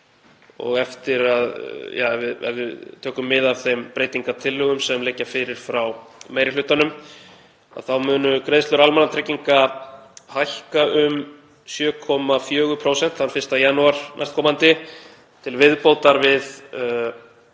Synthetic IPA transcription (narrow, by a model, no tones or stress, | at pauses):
ɔ̰ɣɛft̪ɪɾaðjaːvɪðɛ̰vɪðt̪ʰœːkʏmːɪðavθejmpɾeːjt̪iŋkat̪ʰɪlːʏɣʏmsɛmlɛcːafɪːɾɪɾ̥fɾawmejɾɪlʏht̪anʏm | a̰θawmʏːnʏkɾejðslʏɾalmanat̪ʰɾɛciŋka | hajhkaʔʏm | sjœːkʰɔmafjœːɣʏpʰɾoːwsɛn̥t̪θhanfɪrst̪ajanuaɾ̥na̰st̪̚kʰɔːmant̪ɪ | t̪ʰɪlvɪðpoːwt̪aɾvɪð